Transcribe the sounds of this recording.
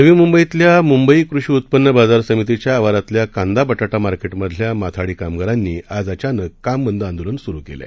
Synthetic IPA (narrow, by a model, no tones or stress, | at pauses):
nəʋiːmumbəit̪ljamumbəikɾuɕiut̪̚pənːəbad͡zaɾsəmit̪it͡ɕjaːʋaɾat̪ljakãnd̪abəʈaʈamaɾkeʈməd̪ʱljamat̪ʰaɽiːkamkəɾanːiːad͡zat͡ɕanəkːamːənd̪əand̪ulənsuɾukḛlɛ̰